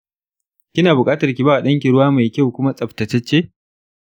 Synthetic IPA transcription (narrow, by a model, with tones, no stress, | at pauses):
kʲɪ˦naː˨bʊ˨kʼaː˦tɐ˨rkʲi˨baː˦wa˨ɗɐ˦ŋk̬ʲi˨ɽʊ˦waː˦ma˨jkʲa˦wkʷʊ˦ma˦sʼɐ˨ɸtɐ˨tɐ˦t͡ʃːeː˦